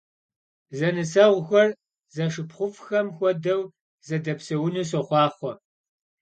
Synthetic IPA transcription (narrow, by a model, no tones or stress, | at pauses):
zɐnɨsɐʁʷʊxʷɔr | zɐʂɨpχʷʊfxɐmxʷɔdɐw | zɐdɐpsɐwnus̬oχʷɑːχʷɔ